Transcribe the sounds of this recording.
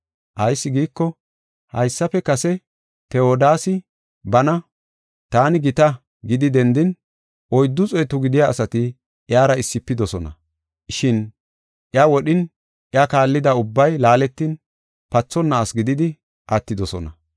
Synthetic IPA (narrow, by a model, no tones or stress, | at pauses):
ʔɐjsːɪɡiːkːɔ | hɐjsːɐpɛkɐsɛ | t̪ɛoːd̪aːsɪ | bɐnɐ | t̪aːnɪɡɪt̪ɐ | ɡɪd̪ɪd̪ɛnd̪ɪn | ʔɔjd̪ːʊt͡sʼɔjt̪ʊɡɪd̪ɪjaːsɐt̪ɪ | ʔɪjaːɾɐɪsːɪpːɪd̪ɔsɔnɐ̰ | ʃɪn | ʔɪawɔɗɪn | ʔɪakaːlːɪd̪ɐʊbːɐjlaːlɛt̪ːiːn | pɐt͡sːɔnːaːsɡɪd̪ɪd̪ɪ | ʔɐt̪ːɪd̪ɔsɔ̰nɐ̰